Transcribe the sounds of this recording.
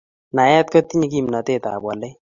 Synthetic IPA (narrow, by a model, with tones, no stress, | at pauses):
na˨ja˦t̪̚kʌ˦t̪i˦ni˦kimnʌ˨t̪e˦t̪a̰˨bɔ˨le˦